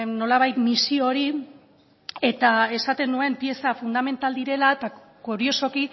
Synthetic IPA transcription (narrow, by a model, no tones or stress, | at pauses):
no̞laβ̞ajt̪misio̞ɾi | e̞t̪ae̞sat̪e̞nue̞mpije̞safund̪ame̞nt̪ald̪iɾe̞laet̪a | ɡuɾio̞so̞ki